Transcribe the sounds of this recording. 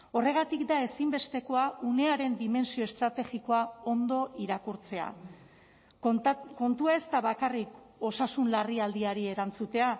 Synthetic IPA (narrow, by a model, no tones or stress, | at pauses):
o̞re̞ɣ̞at̪ikd̪ae̞simbe̞st̪e̞ko̞aune̞aɾe̞nd̪ime̞nsio̞e̞st̪ɾat̪e̞ɣiko̞ao̞nd̪o̞ʔiɾakuɾt͡se̞a̰ | ko̞nt̪uae̞st̪aβakarik | o̞sasunlariald̪iaɾie̞ɾant͡sut̪e̞a